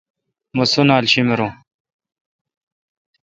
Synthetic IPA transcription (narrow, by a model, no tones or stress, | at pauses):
musunaːlɕimeɾõ